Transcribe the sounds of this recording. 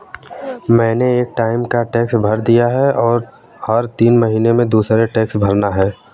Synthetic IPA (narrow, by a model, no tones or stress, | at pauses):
mɛ̃ːneeːk̚ʈaːɪmkaʈeːksbʱɐɾd̪ijaɦɛʔɔːɾ | hɐɾt̪iːnmɐɦiːnemẽd̪uːsɾeʈeːksbʱɐɾnaɦɛː